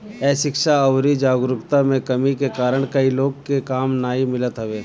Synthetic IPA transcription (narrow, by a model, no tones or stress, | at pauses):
ɛːʃɪkʃaɐʊɾid͡ʒaːɡɾʊkt̪amẽkɐmikekaːɾəɽ̃kɐiloːɡkekaːmnaːimɪlət̪ɦɐʋeː